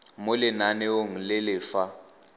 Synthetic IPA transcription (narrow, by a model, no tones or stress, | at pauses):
molɪnanɛoŋ̩lɪlɪːfa